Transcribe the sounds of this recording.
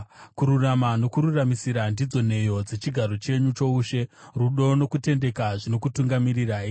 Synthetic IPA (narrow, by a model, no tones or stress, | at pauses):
kuɾuramano̞kuɾuramisiɾandid͡zo̞ne̞jo̞d͡ze̞t͡ʃiɡʱaɾo̞t͡ʃe̞ɲut͡ʃo̞uʃe̞ | ruɗo̞no̞kute̞nde̞kaʐino̞kutuŋɡamiriraːi